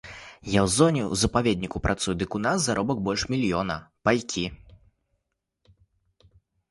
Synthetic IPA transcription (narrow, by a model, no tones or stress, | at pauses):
jawzɔnʲɛwzɐpavʲɛd̪ʲnʲikupɾʔat̪sujd̪ɨkunasːaɾʔɔbɐk̚bɔlʲʂmʲilʲjɔnɐpajkʲi